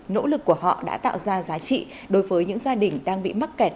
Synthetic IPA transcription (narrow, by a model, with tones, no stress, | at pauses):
no̰˧˥lɨ˨˩kːu˧˩əɦɔ̰˧˨ɗa̰ː˧˥t̪a̰ː˧˨wzaː˧zaː˨˦t͡ɕḭ˧˨ | ɗo˨˦jvəː˨˦jɲɨ̰˧˥ŋzaː˧ɗï˨˩ŋ̟ɗaː˧ŋɓḭ˧˨m˦˥t̚kɛ˨˩t̚